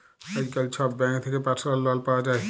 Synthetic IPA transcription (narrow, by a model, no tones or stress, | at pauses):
ad͡ʒkalt͡ʃʰɔbbɛ̃ŋkt̪ʰekepatʰɾalːɔlpawad͡ʒae